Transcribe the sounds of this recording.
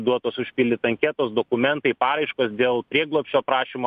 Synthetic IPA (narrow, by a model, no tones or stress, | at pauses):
d̪uɔt̪oːsʊʃʲpʲɪlʲɪt̪ɐŋʲkʲɛːt̪oːsd̪oːkʊmʲɛnt̪ɐɪpɑːɾɐɪʃkoːsd̪ʲeːlˠpʲɾʲiɛɡlˠoɔpʲʃʲt͡ʃʲoːpɾɑːʃʲimo